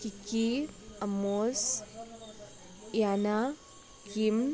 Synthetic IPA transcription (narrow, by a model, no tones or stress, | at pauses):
kikiɐmos | jana | kim